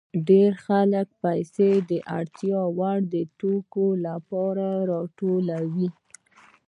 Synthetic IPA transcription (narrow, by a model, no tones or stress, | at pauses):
ɖeɾxalək̚pajsed̪əʔa̰ɽt̪jɑwaɽd̪ət̪okolapɑɾaɾɑʈolawi